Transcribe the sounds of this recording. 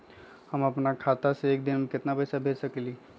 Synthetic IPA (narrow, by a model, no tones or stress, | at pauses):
həməpnakʰat̪aseeːk̚d̪ɪnmẽkɪt̪napəɪsabʱeːd͡ʒsəkli